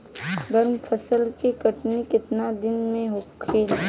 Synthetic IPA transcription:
bɐɾmpʰəsəlkikɐʈnikɪt̪nad̪ɪnmẽɦoeːl

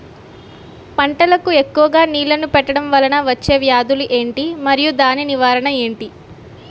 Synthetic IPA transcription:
pɐɳʈɐlɐkue̞kːuʋɐɡaːniːlɐnupɛʈːɐɽɐmʋɐlɐnɐʋɐt͡ʃːe̞ːʋjaːd̪uluʔe̞ːɳʈimɐɾijud̪aːniniʋaːɾɐɳɐe̞ːɳʈi

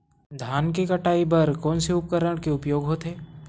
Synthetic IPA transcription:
d̪ʱaːnkekɐʈaːibɐɾkɔ̃ːnseʊp̚kəɾəɽ̃keʊpjoːɡɦoːt̪eː

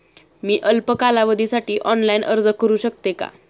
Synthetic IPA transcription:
miːʔəlpəkalaʋəd̪ʱisaʈiːʔɔnlainʔə̰ɾd͡zəkːəɾuːɕək̚t̪eka̰

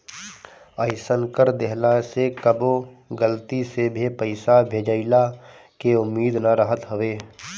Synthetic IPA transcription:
əɪsənkəɾd̪eɦlasekəboɡəlt̪isebʱipəɪsabʱeːd͡ʒəɪla | keʊmːiːd̪naɾəɦət̪ɦəʋeː

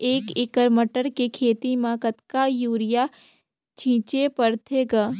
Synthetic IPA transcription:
eːkɪkəɾməʈəɾkekʰeːt̪imãkət̪kajuːɾɪja | t͡ʃʰĩːt͡ʃepəɾt̪ʰeɡaː

